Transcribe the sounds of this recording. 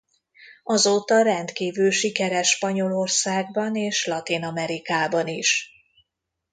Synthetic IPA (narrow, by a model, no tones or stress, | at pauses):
ɒzoːt̪ɒɾɛnt̪kiːvylʃikɛɾɛʃpɒɲo̞lo̞rsaːɡ̚bɒneːʃlɒt̪inɒmɛɾikaːbɒniʃ